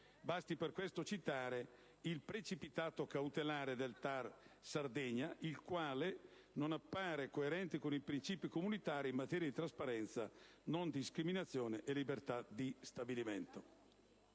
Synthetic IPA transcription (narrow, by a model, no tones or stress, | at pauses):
bast̪iperkwest̪ot͡ʃit̪aːɾe | ilpɾet͡ʃipit̪aːt̪okawt̪elaːɾed̪elt̪arsard̪ɛɲːaʔilkwaːle | nonapːaːɾekoeɾɛnt̪ikonipɾint͡ʃiːpikomunit̪aːɾiːmːat̪ɛːɾjad̪it̪ɾaspaɾɛnt̪sa̰ | nond̪iskɾiminat̪sːjoːneʔelibert̪ad̪ist̪abiliment̪o